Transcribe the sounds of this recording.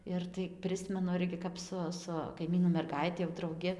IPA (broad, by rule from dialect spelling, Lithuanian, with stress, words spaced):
ɪr tɐɪ ˈpʲrʲɪsʲmʲɛnʊ ˈɪrʲɡʲɪ kɐp ˈsʊ sʊ kɐɪˈmʲiːnuː mʲɛrˈɡɐɪtʲɪ jɛʊ drɐʊˈɡʲɪ